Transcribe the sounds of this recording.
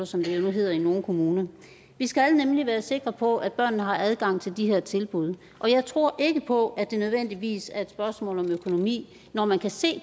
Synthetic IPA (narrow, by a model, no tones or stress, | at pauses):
ɐsɒ̽md̥ejo̝nuɦe̝ð̞̰ˠɐino̝ːn̩kʰo̝muːnɐ | ʋisɡ̥ælnemliʋæːɐse̝ɡ̥ʁɐpʰɒ̽ʔæ̥b̥ɶɐ̰nnəɦɑ̈æð̞ˠɡ̥ɑ̈ŋ̰t͡sʰe̝ld̥iɦeɐ̰t͡sʰe̝lb̥uð̞ˠ | ʔɒ̽jɑ̈ɪt͡sʰʁo̝ɐ̰ʔe̝ɡ̥əpʰɒ̽æd̥e̝nøð̞ˠʋen̰d̥iʋḭːsæɐe̝d̥sb̥ɶɐsmɔ̰ːlɒ̽møkʰo̝no̝mḭː | nɒmænkʰæse̝̰ː